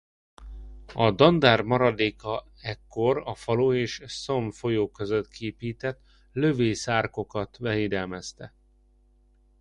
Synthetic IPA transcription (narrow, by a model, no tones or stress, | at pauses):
ɒd̪ɒnd̪aːrmɒɾɒd̪eːkɒ | ɛkːo̞ɾɒfɒloːeːʃso̞mfo̞joːkøzøt̪kieːpiːt̪ɛt̪ | løveːsaːrko̞kɒt̪bɛɦiːd̪ɛlmɛst̪ɛ